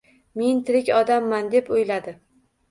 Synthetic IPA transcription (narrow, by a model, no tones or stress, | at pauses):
ment̪ʰɪɾɪkʲɒd̪amːand̪e̞pojlad̪ɪ